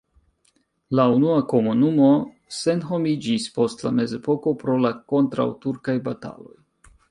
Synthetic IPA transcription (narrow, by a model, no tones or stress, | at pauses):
launuako̞munumo̞ | se̞nɦo̞mid͡ʒispo̞stla̰me̞ze̞po̞ko̞pɾo̞lako̞ntɾa̰wtuɾkajbata̰lo̞̰j